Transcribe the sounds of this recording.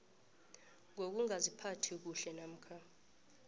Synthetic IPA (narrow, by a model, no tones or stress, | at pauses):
ŋok̬uŋazipʰatʰik̬uɬɛnam̩kʰa